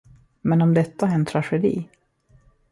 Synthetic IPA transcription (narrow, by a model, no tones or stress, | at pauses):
mɛnɔmd̪ɛt̪ːaɛnt̪ʰɾaɧɛd̪ḭː